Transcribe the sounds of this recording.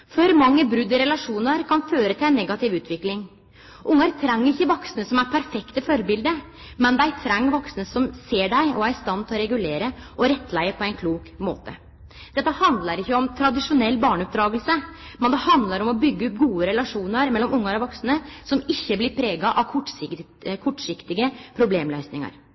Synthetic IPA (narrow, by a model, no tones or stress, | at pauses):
fœɾmɑŋːəbɾʉd̪əɾɛlɑʂuːnəɾkʰɑnføːɾət̪ɪlæɪnːɛɡɑt̪ɪʋʉːt̪ʰʋɪklɪŋ | ʔʊŋːɑɾt̪ʰɾɛŋːəɾɪçːəʋɔksnəsɔmæɾpʰæɾfɛkt̪əfɔɾbɪld̪ə | mɛnd̪ɛæɾt̪ʰɾɛŋːʋɔksnəsɔmseːɖæɪɔæɾst̪ɑnt̪ʰɪlɔɾɛɡʉleːɾəɔɾɛt̪ːlæɪəpʰɔɛɪnkʰluːkmo̰ːt̪ə̰ | d̪̥ɛt̪ːəhɑnd̪lɑɾɪçːəɔmt̪ʰɾɑd̪ɪʂʊnɛlːbɑːɳʉp̚d̪ɾɑːɡəlsəmɛnd̪ɛhɑnd̪lɑɾɔmɔbʏɡːəʉpɡuːəɾɛlɑʂuːnəɾmɛlːɔmʊŋːɑɾɔʋɔksnəsɔmɪçːəblɪɾpʰɾeːɡɑʔɑʋkʰɔ | kʰɔʈːʂɪkt̪ɪɡəpʰɾʊbleːmlœʏsnɪŋɑ̰ɾ